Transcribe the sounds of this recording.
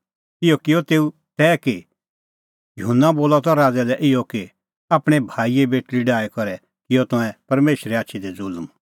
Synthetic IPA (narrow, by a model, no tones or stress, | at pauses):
ɪjɔkɪjɔt̪eːu | t̪ɛːki | jʊɦənːaboːlɔt̪ɔɾaːd͡zɛlɛʔɪjɔki | aːpɽ̃ɛbʱaːiebeːʈliɖaːɛkɔɾɛ | kɪjɔt̪ʊ̃ɛ̃pɐɾmeːʃɾɛaːtːʃʰid̪ezʊlm